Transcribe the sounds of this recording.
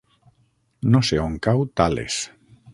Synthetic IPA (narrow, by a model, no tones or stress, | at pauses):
noseoŋkawt̪alḛs